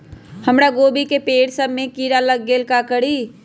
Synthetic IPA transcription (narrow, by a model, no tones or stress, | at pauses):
həmɾaɡoːbikepeːɽsəbmẽkiɾaləɡːelkakəɽi